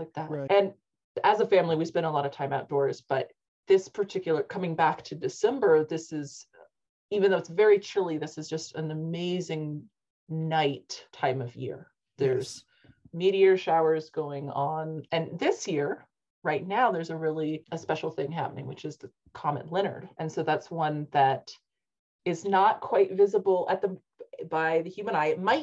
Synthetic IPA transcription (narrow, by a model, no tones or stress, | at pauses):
laɪk̚ðætɨ̃n | ɨzəfæ̃mliwiv̥sbɨ̃ɾ̃əlɔɾʌv̥tʰãɪ̃maʊt̚d̥ɔɹz̥b̥ʌt̪̚ | ðɪspʰə˞tʰɪkjl̩ˠə˞kʰʌ̃mɪ̃ŋbæk̚tʰɨdɨsɛ̃mbə˞ðɪsɪz̥ | ivɨ̃nðoʊɨtsvɛɹit͡ʃʰɪlˠiðɪsɨzd͡ʒʌstɨ̃nɨmeɪzɪ̃ŋ | naɪtʰãɪ̃mʌvjɪ̰ɹ | ðə˞z̥ | miɾiɨʃaʊə˞zɡoʊɪ̃ŋə̃nɨ̃nðɪsjɪɹ | ɹaɪtⁿnaʊðə˞zɨɹɪlˠiɨspɛʃl̩ˠθɪ̃ŋɦæ̰pənɪ̰̃ŋwɨt͡ʃɨzðɨ | kʰɑmɨ̰̃nˡlɪ̃ɾ̃ə̰˞dʔɨ̃nsoʊðætswʌ̃nðɨɾ | ɨznət̚kʰw̥aɪtvɪzəbl̩ˠɨ̰t̪̚ðɨ | baɪðɨhjʉmə̃ñaɪɨt̚maɪt̚